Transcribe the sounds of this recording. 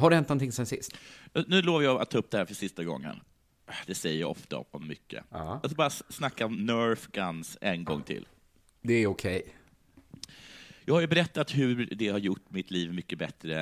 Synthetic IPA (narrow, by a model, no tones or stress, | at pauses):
hadɖɵɛnnɔnt̪ʰɪŋsɛnsɪst̪nʉ̟ːloːvəɾjɑːa̰t̪ʰːɑːɵp̚d̪ɛhæːɾfœʂɪst̪aɡɔ̰ŋːə̰n | d̪ɛsɛjːəja̰ɔ̰ft̪a̰ɔmːʏkʰːə̰ɑskabɑːɾasnakːaɔmnœːɾfɡansɛnɡɔ̰ŋːt̪ʰɪ̰lː | d̪ɛæɾʊkʰɛj | jɑːɡhaɾjɵbɛɾɛt̪ːat̪ɦɵɖɛhaɾjʊʈːmɪt̪ʰliːvmʏkːəbɛt̪ɾə